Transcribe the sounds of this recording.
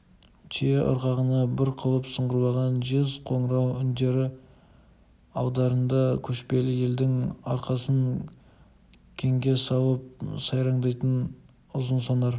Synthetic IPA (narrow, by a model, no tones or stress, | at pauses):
t̪ʰijeʔʊ̰ɾqɑʁənɑbɪɾqʰəlˠəpsəɴʁəɾlˠɑʁɑnʒezqʰo̞ɴɾɑwʏnd̪e̞ɾɪ | ɑwd̪ɑɾənd̪ɑkʲʰɵʃpe̞lɪje̞ld̪ɪŋɑɾqɑsən | kʲʰe̞ŋɡʲe̞sɑwˠəp̚sɑjɾɑɴd̪ɑjt̪ən | ʊzənsɑnɑɾ